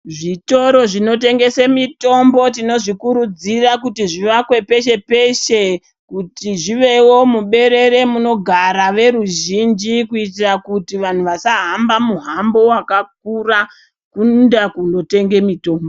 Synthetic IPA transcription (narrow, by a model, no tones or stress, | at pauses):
ʐito̞ɾo̞ʐino̞te̞ŋɡe̞semito̞mbo̞tino̞ʐikuɾud͡zirakutiʐiʋakwe̞pe̞ʃe̞pe̞ʃe | kutiʐiʋe̞wo̞muɓe̞ɾe̞ɾe̞muno̞ɡʱaɾaʋe̞ɾuʒind͡ʒikuitirakutiʋan̤uʋasaɦambamuɦambo̞wakak̚ura | kundakuno̞te̞ŋɡe̞mito̞ːmbo